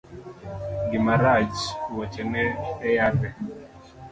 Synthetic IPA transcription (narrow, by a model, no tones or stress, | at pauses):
ɡɪmaɾad͡ʒwat͡ʃɛnɛːjat̪ɛ